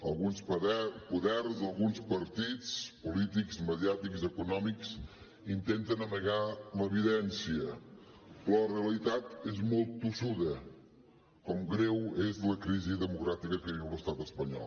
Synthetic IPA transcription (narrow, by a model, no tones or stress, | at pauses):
əlˠɣunsðɛpuðɛrzəlˠɣunspəɾt̪it͡spulit̪ikzməðiat̪ikzəkunɔmiks | int̪ent̪ənəməɣaləβiðɛnsiə | pɾɔəreəlit̪at̪ezmɔlˠt̪ːusuðə | kɔmɡɾewezləkɾiziðəmukɾat̪ikəkəβiwləst̪at̪əspəɲɔ̰lˠ